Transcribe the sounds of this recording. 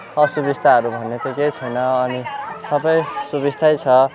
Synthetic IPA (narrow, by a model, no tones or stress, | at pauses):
ʌsubist̪ʰaɦʌɾubʱʌnːet̪oket͡sʰʌjnʌːnisʌbʌjsubist̪ʰajt͡sʰʌ